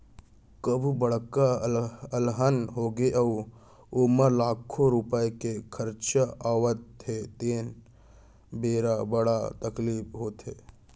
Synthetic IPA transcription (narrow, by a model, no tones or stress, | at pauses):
kəbʱubəɽ̤kaəlɦənɦoːɡeʔəu | ʊməlaːkʰoɾupəekekʰəɾt͡ʃaaːʋət̪ɦet̪eːn | beːɾabəɽat̪əkliːpɦoːt̪ɦeː